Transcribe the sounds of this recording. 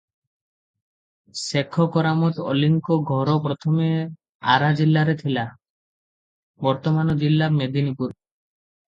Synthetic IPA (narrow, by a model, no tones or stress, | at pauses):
sekʰɔkɔɾamɔt̪ɔ̰liŋkɔɡʱɔɾɔpɾɔt̪ʰɔme | a̰ɾad͡ʒilːaɾet̪ʰila | bɔɾt̪ɔmanɔd͡ʒilːamed̪inipuɾ